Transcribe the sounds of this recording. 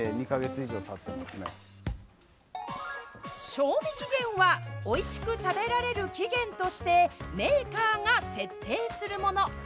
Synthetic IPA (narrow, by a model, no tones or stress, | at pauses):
eɲ̟ikaɡe̞t͡sɨiʑo̞ːt̪at̪ːe̞masɨne | ɕo̞ːmʲikʲiɡẽ̞ɰ̃βao̞iɕi̥kɯ̟t̪abe̞ɾaɾe̞ɾɯ̟kʲiɡẽ̞nt̪o̞ɕi̥t̪e̞me̞ːkaːŋase̞t̪ːe̞ːsɨɾɯ̟mo̞no̞